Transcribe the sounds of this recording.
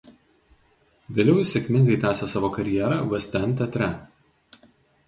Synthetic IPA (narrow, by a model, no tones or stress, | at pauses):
ʋʲeːlʲɛʊsʲɛkʲmʲɪŋɡɐɪt̪ʲæːsʲɛsɑːʋoːkɐɾʲɪjɛːɾɑʋɛsʲt̪ʲɛnˑt̪ʲɛt̪ʲɾʲɛ